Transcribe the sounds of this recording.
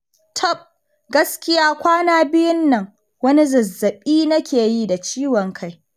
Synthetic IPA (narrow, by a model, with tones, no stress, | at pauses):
tʰɔ˦˨p̚ | ɡɐ˦skʲɪ˦jaː˦kʷaː˦naː˦bɪ˦jʊ˦nːɐ˨ŋ | wɐ˦ni˦zɐ˨zːɐ˨ɓiː˦nɐ˦kʲeː˨ji˦da˨t͡ʃiː˦wɔ˨ŋkʰa˦˨j